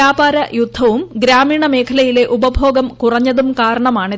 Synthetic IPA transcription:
aːbaːɾɐjud̪ʱːɐʋumɡɾaːmiːɳɐme̞ːkʰɐlɐjile̞ʔubɐbʱo̞ːɡɐmkurɐɲːɐðumkaːɾɐɳɐmaːɳɨ

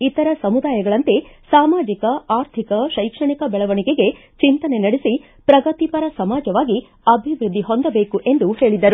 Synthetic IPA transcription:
it̪ɐɾɐsɐmud̪aːjɐɡɐɭɐnt̪esaːmaːd͡ʒikɐaːɾt̪ʰikɐʃɐjkʂɐɳikɐbɛɭɐʋɐɳiɡe̞ɡe̞ | t͡ʃint̪ɐne̞nɐɽesi | pɾɐɡɐt̪ipɐɾɐsɐmaːd͡ʒɐʋaːɡi | ɐbʱiʋɾud̪ʱːiɦo̞nd̪ɐbe̞ːkuʔe̞nd̪uhe̞ːɭid̪ɐɾu

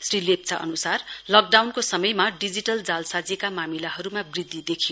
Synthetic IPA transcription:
srilep̚t͡saʔʌ̰nusarlʌk̚ɖawnkosʌmʌjmaɖid͡ziʈʌld͡zalsad͡zekamamilaɦʌɾumabrid̪ʱːid̪ekʰijo

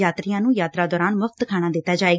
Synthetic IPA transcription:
aːt̪ɾɪjãːnũːjaːt̪ɾaːd̪ɔːɾaːnmʊfʰt̪kʰaːɽ̃ãːd̪ɪt̪ːaːd͡ʒaːeː

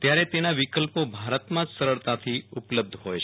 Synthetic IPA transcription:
t̪jaɾet̪enaʋikəlpobʱaɾət̪mãd͡ʒsəɾəɭt̪at̪ʰiupləb̚d̪ʱɦojt͡ʃʰ

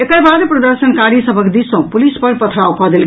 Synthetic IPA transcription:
ekəjbad̪pɾɔd̪əɾsənkaɾisəbʱəkd̪isõpulispəɾpət̪ʰɾaukɔd̪el

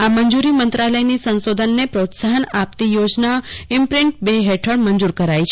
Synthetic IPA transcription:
aməɲd͡ʒuɾimənt̪ɾaləjnisə̃nsod̪ʱənːepɾot̪saɦənap̚t̪ijod͡ʒnaɪmpɾɪɳʈ̚beɦeʈʰəɽməɲd͡ʒuɾkəɾajt͡ʃʰ

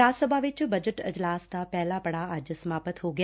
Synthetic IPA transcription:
asəbʱaʋɪt͡ʃbəd͡ʒəʈəd͡ʒlaːst̪apɛɦlapəɽaad͡ʒəsəmapət̪ɦoɡ

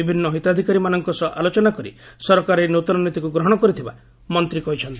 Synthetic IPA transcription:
ibʱinːɔɦit̪ad̪ʱikaɾimanɔŋkɔsɔʔalot͡ʃɔnakɔɾḭsɔɾɔkaɾenut̪ɔnɔnit̪ikuɡɾɔɦɔɽ̃ɔkɔɾit̪ʰiba | mɔnt̪ɾikɔɦit͡ʃʰɔnt̪i

